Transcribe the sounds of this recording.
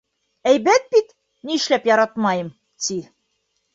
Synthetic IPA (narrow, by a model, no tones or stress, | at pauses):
æjbæt̪̚bit̪ | niɘ̆ʃlæpjɒɾɑt̪mɑjɤm | t̪i